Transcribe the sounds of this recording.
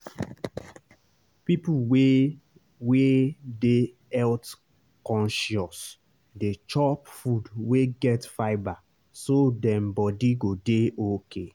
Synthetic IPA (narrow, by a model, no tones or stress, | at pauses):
pipuwe | wede | ɛlt | kɔ̃nʃɔs | det͡ʃɔpfudweɡɛtfaɪba | sodɛ̃mbɔdiɡodeokʰe